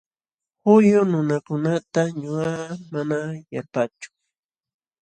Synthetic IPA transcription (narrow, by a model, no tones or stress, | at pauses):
hʊjʊnʊnakʊnat̪aɲʊɢamanajaɾpat͡ʃʊ̥